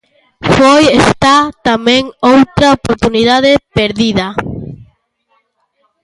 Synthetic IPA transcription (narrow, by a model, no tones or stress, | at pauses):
fojest̪at̪amẽŋowt̪ɾaopoɾt̪uniðaðepeɾðiðɐ